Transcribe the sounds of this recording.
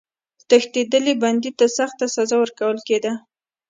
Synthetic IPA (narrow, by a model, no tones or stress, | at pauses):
t̪əxt̪ed̪əliband̪it̪asaxt̪asazawəɾkawəlked̪a